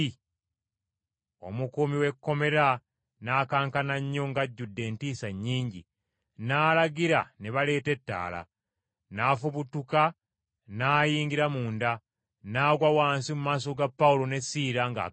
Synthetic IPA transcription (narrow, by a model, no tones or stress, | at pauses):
o̞̰mukumiwe̞kːo̞me̞ɾa | naːkaːŋkanaɲːo̞ŋɡaɟːudːe̞ːntiːsaɲːiːɲɟḭ | naːlaɡiɾaneβale̞ːte̞tːa̰ːla̰ | naːfuβutuka | naːjiːŋɡiɾamuːnda | naːɡwawaːnsimumaːs̬o̞ɡapːaulo̞ne̞siːɾaŋɡa̰